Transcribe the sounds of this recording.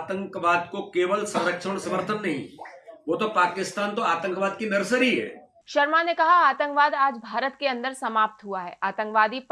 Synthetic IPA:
t̪ə̃ŋkʋaːd̪kokeːʋəlsɐ̃ɾəkʃəɽ̃sɐməɾt̪ʰənːɐɦḭ̃ʋot̪opaːkɪst̪aːnt̪oaːt̪ə̃ŋkʋaːd̪kinɐɾsəɾiɦɛ̰ː | ʃɐɾmanekɐɦaaːt̪ə̃ŋkʋaːd̪aːd͡ʒbʱaːɾət̪keɐ̃nd̪əɾsɐmaːp̚t̪ɦuaɦɛ̰ːʔaːt̪ə̃ŋkʋaːd̪i

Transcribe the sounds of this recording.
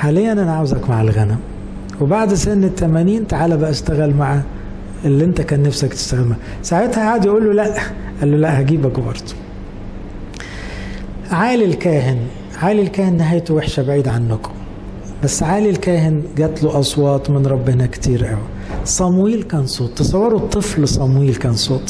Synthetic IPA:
ħaːlejːænʔænaʕawzækmaʕelɣænæm | webaʕd̪senet̪ʰːæmæniːnnt̪aʕaːlæbæʔst̪æɣælmaʕa | elːiʔent̪ækæːnːæfsækt̪e̥st̪æɣemhæ | saʕet̪hæʔaːd̪jʔuːlːolæʔ | ʔælːolæʔhæɡiːbækbɑ̰ɾˤd̪̥ˤu̥ | ʕaːlilkæːɦɪn | ʕaːlilkæːhenːɪɦæːjt̪oweħʃæbaʕiːd̪ʕanːok | bæsːʕaːlilkæːhɪnɡæːt̪loʔɑsˤwɑːt̪ˤmɪnɾˤɑbːenækt̪ʰiːɾʔæwæ | sˤɑmwiːlkæːnsˤoːt̪ˤːɑsˤɑwːɑɾˤot̪ˤːɨflsˤɑmwiːlkæːnsˤoːt̪ˤ

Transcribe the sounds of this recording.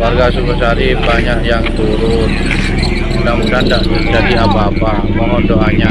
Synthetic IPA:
warɡasuməsaɾibaɲaʔjaŋt̪uɾʊn | kamukandaʔt̪əd͡ʒadiapaːpa | məŋɔndoʔaɲa

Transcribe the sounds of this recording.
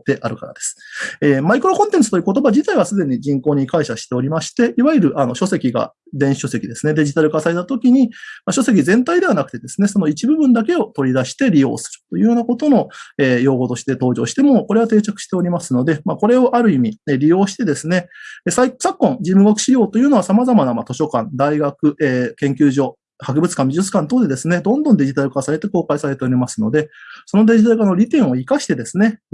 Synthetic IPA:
t̪ːe̞ʔaɾɯ̟kaɾa̰d̪e̞sɨ̥eːmaikɯ̟ɾo̞kõ̞nt̪ẽ̞nt͡sɨ̥t̪o̞jɯːko̞t̪o̞baʑit̪aiβasɨd̪e̞ɲ̟id͡ʑĩŋko̞ːɲ̟ikaiɕaɕi̥t̪e̞o̞ɾʲimaɕi̥t̪e̞iβaiɾɯ̟ʔano̞ɕo̞se̞kʲiɡa̰ | d̪ẽ̞ɰ̃ɕiɕo̞se̞kʲid̪e̞sɨne̞d̪e̞ʑit̪aɾɯ̟kasaɾe̞t̪at̪o̞kʲiɲ̟imaɕo̞se̞kʲizẽ̞nt̪aid̪e̞β̞anakɯ̟̥t̪e̞d̪e̞sɨne̞so̞no̞it͡ɕibɯ̟bɯ̟̃nd̪ak̬e̞o̞t̪o̞ɾʲid̪aɕi̥t̪e̞ɾʲijo̞̰ːsɨ̥ɾɯ̥t̪ojɯ̟ːjoːnako̞t̪o̞no̞e̞ːjo̞ːɡo̞t̪o̞ɕi̥t̪e̞t̪o̞ːʑo̞ːɕi̥t̪e̞mo̞ko̞ɾe̞β̞at̪e̞ːt͡ɕakɯ̟̥ɕi̥t̪e̞o̞ɾʲimasɨno̞d̪e̞mako̞ɾe̞o̞ʔaɾɯ̟imʲieɾʲijo̞ːɕi̥t̪e̞d̪e̞sɨne̞esasakːõ̞ŋd͡ʑimːɯ̟ɡokɯ̟ɕiɾʲjo̞ːt̪o̞jɯ̟ːno̞asamazamanamat̪o̞ɕo̞kãnd̪aiɡakɯ̟eːkẽ̞ŋkʲɨːʑo̞ː | hakɯ̟bɯ̟t͡sɨ̥kãmbʲiʑɨt͡sɨ̥kãnt̪oːd̪e̞d̪e̞sɨne̞d̪õ̞nd̪õnd̪e̞ʑit̪aɾɯ̟kasaɾe̞t̪e̞ko̞ːkaisaɾe̞t̪e̞o̞ɾʲimasɨno̞d̪e̞so̞nod̪e̞ʑit̪aɾɯ̟kano̞ɾʲit̪ẽ̞ɰ̃o̞ikaɕi̥t̪e̞d̪e̞sɨne̞

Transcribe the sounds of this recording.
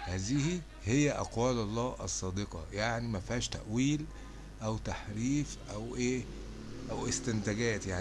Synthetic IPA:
hæːzihi | hejːæʔɑ̰qwæːlɑlˤːɑːʔɑsˤːɑːd̪eqɑ̰jaʕnimæfhæːʃt̪æ̰ʔwiːl | ʔæwt̪aħɾiːfʔæwʔeː | ʔæwʔest̪ɪnt̪æɡæːt̪jaʕ

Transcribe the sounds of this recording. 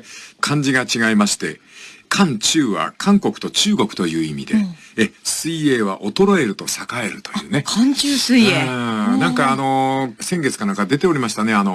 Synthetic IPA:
kʰãɲ̟d͡ʑiɡat͡ɕiɡaimaɕi̥t̪e̞̰kʰãɲ̟t͡ɕɨːβa̰kʰãŋko̞kɯ̟̥t̪o̞t͡ɕɨːɡo̞kɯ̥t̪o̞jɯ̟ːimʲid̪e̞esɨie̞ːβ̞aʔo̞t̪o̞ɾo̞e̞ɾɯ̟t̪osakae̞ɾɯ̟t̪o̞̥jɯ̟ːne̞kʰãɲt͡ɕɨːsɨienãŋkaːno̞sẽ̞ŋɡe̞t͡sɨ̥kanãŋkad̪e̞t̪e̞o̞ɾʲimaɕi̥t̪ane̞ano̞

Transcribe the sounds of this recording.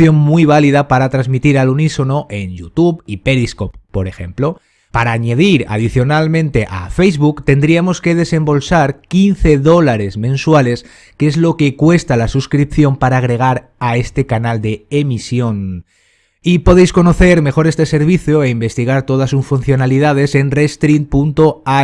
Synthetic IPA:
jo̞ŋmwuiβ̞aliðapaɾat̪ɾazmit̪iɾaluniso̞no̞ʔe̞nʝut̪uβipe̞liskoppːo̞ɾe̞xe̞̰mplo̞ | paɾaːɲeð̞iɾa̰ð̞iθjo̞nalmẽ̞nt̪e̞ʔa̰fe̞jzβukt̪e̞nd̪ɾiamo̞ske̞ð̞e̞se̞mbo̞lsaɾkinθe̞ðo̞laɾe̞zmẽ̞nswale̞s | keezlo̞ke̞kwe̞st̪alasuskɾipθjo̞mpaɾaːɣ̞ɾe̞ɣ̞aɾ | ae̞st̪e̞kanald̪e̞ːmisjo̞n | ipo̞ðe̞jsko̞no̞θe̞ɾme̞xo̞ɾe̞st̪e̞se̞ɾβiθjoeimbe̞st̪iɣaɾt̪o̞ð̞asusfun̟θjo̞naliðað̞e̞se̞nrest̪ɾinpunt̪oa

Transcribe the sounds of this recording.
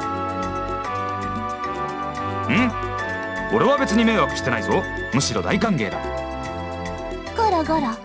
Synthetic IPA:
ɯ̃ | o̞ɾe̞βabe̞t͡sɨɲime̞ːβakɯ̟ɕi̥t̪e̞naizo̞ | mɯ̟ɕiɾo̞d̪aikãŋke̞ːd̪a̰ | ɡ̥aɾaɡaɾa

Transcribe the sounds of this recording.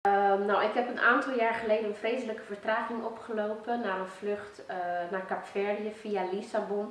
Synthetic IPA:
ənawɪkɦɛpənaːntɑlˠjaːɹχəlejdənənfrejsələkəfəɹtraːχɪŋɔpχəlowpənːaːrənfløχtnaːɹkapfɛrijəfialisabɔn

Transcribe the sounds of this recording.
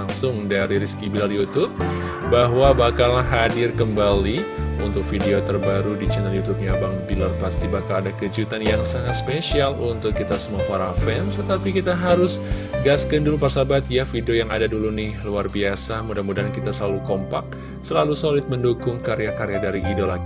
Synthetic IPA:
aŋsʊŋdaɾiɾiskibilaljut̪ʊb̚ | baɦwabakalːahɦadɪrkəmbaliunt̪ʊk̚fideot̪ərbaɾudit͡ʃɛnɛljut̪up̚ɲabaŋbilərpast̪ibakaladakəd͡ʒut̪anjaŋsaŋat̪spesialunt̪ʊkːit̪asəmuafaɾafɛnst̪ət̪apikit̪aɦaɾʊsɡaskəndulupərsabat̪jafideojaŋa̰dadulunɪhluarbiasamudamudankit̪asəlalukɔmpak̚ | səlalusolɪt̪̚məndukʊŋkaɾeakaɾeadaɾiʔidolaɡi

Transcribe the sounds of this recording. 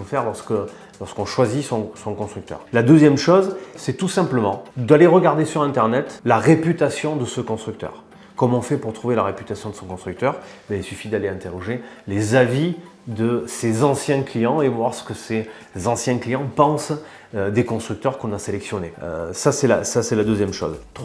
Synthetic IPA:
fɛʁlɔʁskə | lɔʁskɔ̃ʃwazisɔ̃sɔ̃kɔ̃st̪χyk̚t̪œ̰ʁlad̪əzjɛmʃɔzsɛt̪usɛ̃pləmɑ̃d̪aleʁəɡaʁd̪esyʁɛ̃nt̪ɛʁnɛt̪laʁepyt̪asjɔ̃d̪əsəkɔ̃st̪χyk̚t̪œ̰ːʁ | kɔmɔ̃fɛpuʁt̪χuvelaʁepyt̪asjɔ̃d̪əsɔ̃kɔ̃st̪χyk̚t̪œʁbailsyfid̪aleɛ̃t̪eʁɔʒelezavi | d̪əsezɑ̃sjɛ̃klijɑ̃evwaʁsə̥kəse | zɑ̃sjɛ̃klijɑ̃pɑ̃s | d̪ekɔ̃st̪χyk̚t̪œʁkɔ̃naselɛksjɔneø̰sasɛla̰sasɛlad̪øzjɛmʃɔ̰zt̪

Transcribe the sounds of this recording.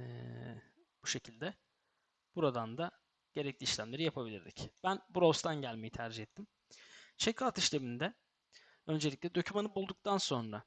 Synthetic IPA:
b̥uʃe̞cʰilʲd̪ɛ | b̥uɾad̪and̪a | ɟ̥e̞ɾɛclʲiːʃlʲæmlʲe̞ɾijapʰabilʲḭɾd̪ʲḭcb̥ænbuɾost̪ʰanɟælʲme̞jit̪ʰæɾd͡ʒihɛt̪ːim | t͡ʃʰekʰaːt̪iʃlʲe̞mind̪ɛ | ø̞nd͡ʒe̞lʲicʲlʲɛd̪o̞cʰymanɯbulˠd̪uk̚t̪ʰanso̞nɾa

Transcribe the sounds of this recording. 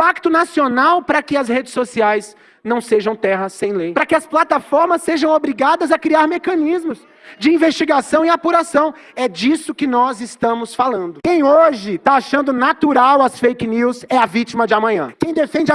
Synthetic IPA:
pak̚t̪ʊnasionawpɾɐkɪɐshed͡ʒɪsːosiajz | nɐ̃w̃seʒɐ̃w̃t̪ɛɦɐsːẽj̃lejpɾɐkɪɐsplat̪afɔɾmɐsːeʒɐ̃w̃obɾiɡad̪ɐzɐkɾiaɾmekɐ̃nizmʊs | d͡ʒɪĩvest͡ʃiɡasɐ̃w̃ɪapuɾasɐ̃w̃ | ɛd͡ʒisʊkɪnɔzɪst̪ɐ̃mʊsfalɐ̃nd̪ʊkẽj̃oʒɪt̪aaʃɐ̃nd̪ʊnat̪uɾawɐsfejkniwzɛɐvit͡ʃimɐd͡ʒɪɐmɐ̃ɲɐ̰̃kẽj̃d̪efẽnd͡ʒɪ

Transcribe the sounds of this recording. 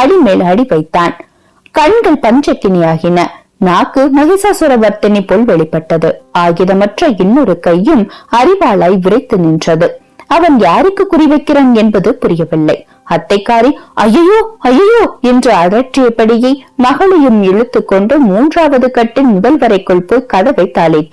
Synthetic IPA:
ɐɽimeːlɐɽɪʋɐɪt̪ːaːn | kɐɳɡɐɭpɐɲd͡ʒɐkːɪnɐjaːɣɪnɐ | naːkːɯnɐɣɪsaːsɯɾɐʋɐɾt̪ɐnipːoːlʋɛɭɪpːɐʈːɐðɯaːɣɪðɐmɐʈrɐɛnːɔɾɯkɐjːɯmɐɾɪʋaːɭaːjʋɪɾɐɪt̪ːɯnɪndrɐðɯ | ɐʋɐnjaːɾɪkːɯkʊrɪʋɐɪkːɪraːnɛnbɐðɯpʊɾɪjɐʋɪɭːɐɪ | ɐt̪ːɐɪkːaːɾiʔɐjɐjoːɐjɐjoːɛndrɯɐɾɐʈ̚ʈrɪjɐpːɐɽɪjɐɪmɐɣɐɭɛjɯmɛɻɯt̪ːɯkːɔɳɖɯmuːndraːʋɐðɯkɐʈːɪnmʊðɐlʋɐɾɐɪkːɔɭpɯkɐðɐʋɐɪt̪ːaːlɪ

